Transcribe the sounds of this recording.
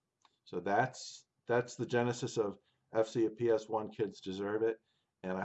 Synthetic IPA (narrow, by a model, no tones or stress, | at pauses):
soʊðæts | ðætsðɨd͡ʒɛnɨsɨsʌv | ɛfsipʰiɛswʌ̃nkʰɪdzdɨzɜ˞vɪt̚ | ɨ̃naɪ